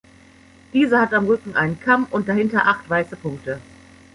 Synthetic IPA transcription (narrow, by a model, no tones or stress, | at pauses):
d̥iːzɐhatamʁʏkŋ̩ʔaɪnənkʰamʔʊnt̚d̥ahɪntɐʔaχtv̥aɪsəpʰʊŋk̚tə